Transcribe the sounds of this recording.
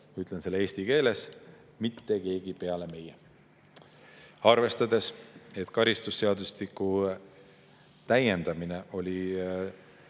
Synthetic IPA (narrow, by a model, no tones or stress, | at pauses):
myt̪ːˑlense̞lːeːsʲt̪ike̞ːle̞s | mit̪ːe̞ke̞ːɡ̥ipe̞ɑle̞me̞je | ɑrve̞st̪ɑd̪e̞se̞t̪kɑɾist̪usːe̞ɑd̪uslikːˑu | t̪æje̞nd̪̥ɑmine̞ʔo̞lʲi